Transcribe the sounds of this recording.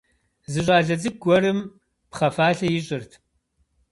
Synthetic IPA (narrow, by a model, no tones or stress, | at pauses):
zɨʑʷʼaːɮɐd͡zɨɡʷɔɾɨm | pχɐfaːɬɐjɪɕʼɪrtʰ